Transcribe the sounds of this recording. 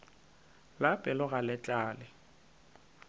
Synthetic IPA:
lapʼɪlʊɣalɛt͡ɬʼaːlɪ

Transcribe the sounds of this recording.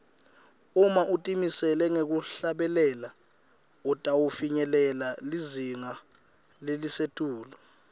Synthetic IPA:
umaʔutʼimisɛlɛŋek̬uɬaɓɛlɛːla | ɔtʼawufiɲɛlɛlaliziŋa | lelisetʼuːlɔ

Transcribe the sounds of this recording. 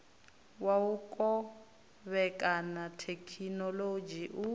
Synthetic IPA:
waukʼɔ | βɛkʼanatʰekʰinɔlod͡ʒiʔu

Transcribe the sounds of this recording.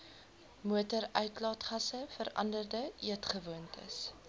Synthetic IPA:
muətəɾœɥtlɑːtχɐsəfəɾɐ̰ndərdəʔiətχəvuəntʰə̰s

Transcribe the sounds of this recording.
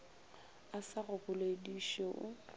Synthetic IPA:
asarʊbʊlediʃeʔʊ

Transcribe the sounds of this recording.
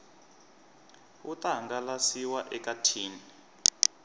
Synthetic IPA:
utʼaaŋɡalasiwaʔɛkatʰiːni

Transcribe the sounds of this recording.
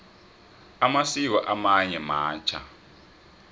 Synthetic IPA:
amasik̬ɔʔamaɲɛmaːnt͡ʃʰa̰

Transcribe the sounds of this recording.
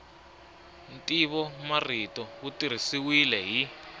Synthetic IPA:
ntʼiβɔmaritɔutir̤isiwilɛɦi

